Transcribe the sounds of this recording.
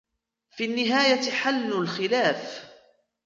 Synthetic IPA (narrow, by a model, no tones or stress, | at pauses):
finːɪɦaːjaħalːʊlxɪlaːf